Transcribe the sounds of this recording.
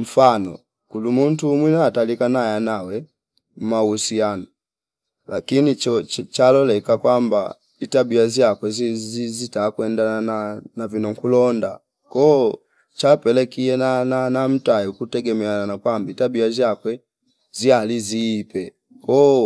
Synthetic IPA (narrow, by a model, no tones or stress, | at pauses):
m̩fanɔ̰ | kulumun̩tumwinaːtalikanajanawɛ | m̩mausiana | lakinit͡ʃɔt͡ʃalɔlɛkakwamba̰ | itabiazjakwɛzizizitakwɛndananavinɔŋkulɔnda | kɔ | t͡ʃapɛlɛkiɛnananam̩tajiukutɛɡɛmɛananakwambitabiazjakwɛ | zializiːpɛ | kɔ